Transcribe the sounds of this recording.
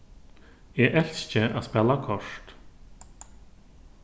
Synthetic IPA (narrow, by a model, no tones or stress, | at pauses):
ɛʔɛl̥st͡ɕɪa̰ðspɛːlakʰɔʂt̪